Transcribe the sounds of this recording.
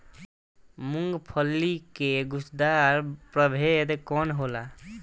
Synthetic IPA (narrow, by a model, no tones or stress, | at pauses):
muŋɡpʰəlːikeɡʊsd̪aɾpɾəbʱed̪kɔnɦola